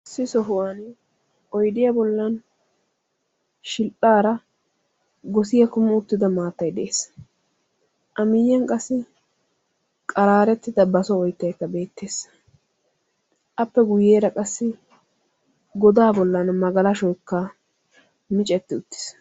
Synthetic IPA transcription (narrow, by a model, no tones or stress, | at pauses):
sːɪsɔɦʊwan | ɔjd̪ɪjɐbɔlːɐn | ʃɪltʼːaːɾɐ | ɡɔsɪjɐkʊmɪʊt̪ːɪd̪ɐmaːt̪ːɐjd̪ɛʔeːs | ʔɐmɪjːɐnkʼɐsːɪ | kʼɐɾaːɾɛt̪ːɪd̪ɐbɐsɔɔjt̪ːɐjkːɐbe̞ːt̪ːeːs | ʔɐpːɛɡʊjeːɾɐkʼɐsːɪ | ɡɔd̪aːbɔlːɐnmɐɡɐlɐʃɔjkːɐ | mɪt͡ʃʼɛt̪ːɪʊt̪ːɪ̥s